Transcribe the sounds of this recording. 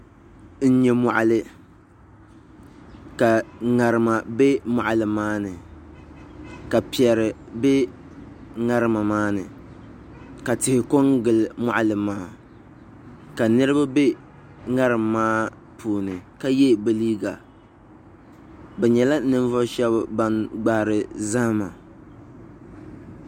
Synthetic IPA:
n̩˦ɲɛ˦mɔ˨ʔa˨lɨ˦ | ka˨ŋa˨ɾɨ˨ma˨bɛ˦ma˨ʔa˨lɨ˨maː˦nɨ˨ | ka˨pi˨ɛ˨ɾɪ˨ | bɛ˦ | ŋa˦ɾɨ˦ma˨maː˦nɨ˨ | ka˨tɪ˨hɪ˨ko˦ŋɡɨ˨lma˦ʔa˦lɨ˨maː˦ | ka˨nɨ˦ɾɨ˦ba˦be˦ | ŋa˦ɾɨ˨mːaː˦ | pʰuː˨nɨ˨ka˦jɛ˦ba˦liː˦ɡa˨ | bɛ˨ɲɛ˨la˦nɨ˦ɱ˦vɔ˦ʃɛ˦bba˦nɡ͡ba˨hɾɨ˨za˦ma˨

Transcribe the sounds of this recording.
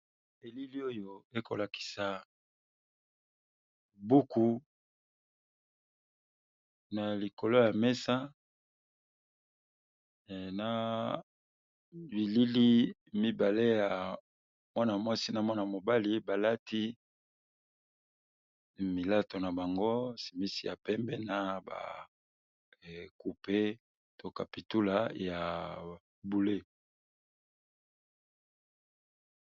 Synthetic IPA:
e˨li˦li˦o˦jo˨e˦ko˨la˨ki̥˨sa˨ | bu˦ku˨ | na˨li˨ko˨lo˦ja˨mɛ˦sa˦˨ | na˨ | bi˨li˦li˦mi˦ba˨le˦ja˨ | mwa˦na˨mwa˦si˦na˨mwa˦na˨mo˨ba˦li˦ba˨la˦ti˦ | mi˨la˦to˨na˨ba˨ŋɡo˦si˨mi˦si˨ja̰˨pɛ˦mbɛ˦na˨ba̰˨ | ku˨pe˦ | to˨ka˨pi˨tu˦la˨ja˨ | bu˨le˦

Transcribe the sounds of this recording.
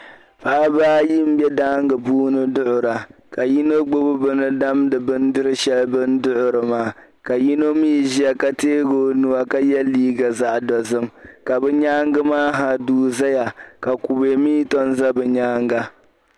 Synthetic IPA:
pa˦a˦baː˦ji˦m̩˦bɛ˦daː˦ŋɡɨ˨buː˦nɨ˦dʊ˦ʔʊ˨ɾa˨ka˨ji˦nɨ˦ɡ͡bʊ˦bʊ˦bɨ˦nɨ˦da˦mdɨ˨bɨ˦n˦dɨ˦ɾɨ˦ʃɛ˦lbɨ˦ndʊ˦ʔʊ˨ɾɨ˨maː˦˨ka˨ji˦no˦miː˦ʒi˦a˨ka˦teː˦ɡo˦nu˦wa˦ka˦jɛ˦lːiː˦ɡa˨za˦ʔdɔ˨zɨ˦mka˨bɛ˦ɲaː˦ŋɡɨ˦maː˦ɦa˨duː˦za˦ja˨ka˨ku˨be˨miː˦tɔ˦nza˦bɨ˨ɲaː˦ŋɡa˦

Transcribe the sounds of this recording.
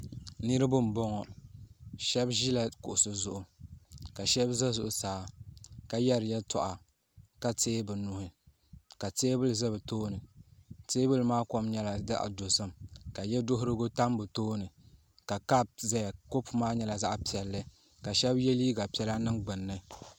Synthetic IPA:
nɨ˦ɾɨ˦bʊ˦m̩˨bɔ˦ŋɔ˨ | ʃɛ˦bʒi˦la˨kʊ̰˨ʔʊ˨sɨ˨zʊ˨ʔʊ˨ka˨ʃɛ˦bzɛ˦zʊ˨ʔʊ˨saː˨˦ka˨jɛ˦ɾɨ˨jɛ˦tɔ̰˨ʔa˨ | ka˦teː˦bɨ˨nu˨hɪ˨ | ka˨teː˦bɨ˦lzɛ˦bɨ˨toː˦nɨ˨teː˦bɨ˦lɨ˨maː˦kɔ˦mɲɛ˦la˨da˦ʔa̰˨do˨sɨ˦mka˨jɛ˦do˦ɦʊ˦ɾɨ˦ɡo˦ta˦mbɨ˨toː˦nɨ˨ | ka˨ka˦b̚zɛ˦˨ko˦pmaː˦ɲɛ˦la˨za˦ʔpi˨ɛ˨lːɨ˦ | ka˨ʃɛ˦bjɛ˦liː˦ɡa˨pi˨˦ɛ˦la˦nɨ˦ŋɡ͡bɨ˨nːɨ˦

